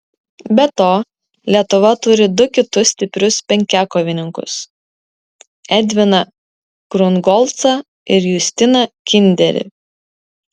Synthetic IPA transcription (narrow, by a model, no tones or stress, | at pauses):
bʲɛt̪oː | lʲiɛt̪ʊʋɐt̪ʊɾʲɪd̪ʊkʲɪt̪ʊssʲt̪ʲɪpʲɾʲʊspʲɛŋʲkʲæːkoːʋʲɪnʲɪŋkʊ̰s | ɛd̪ʲʋʲɪnɐ | ɡ̥ɾʊnɡɔlˠt̪sɐ | ɪɾjʊsʲt̪ʲɪnɐkʲɪnʲd̪ʲɛɾʲɪ̰